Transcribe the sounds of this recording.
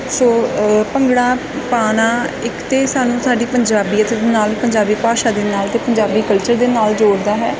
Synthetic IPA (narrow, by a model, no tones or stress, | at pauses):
soːpəŋɡɽaː | paːnaːɪkt̪eːsaːnũːsaːɖiːpəɲd͡ʒaːbiːət̪ed̪naːlpəɲd͡ʒaːbiːpaːʃaːd̪eːnaːlt̪eːpəɲd͡ʒaːbiːkəlt͡ʃəɾd̪eːnaːld͡ʒoːɽd̪aːɦɛː